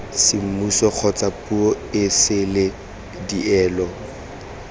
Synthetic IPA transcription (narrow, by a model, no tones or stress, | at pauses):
sɪm̩musɔk͡xʰɔt͡sapuɔ | ɪsɪlɪ | diʔɛːlɔ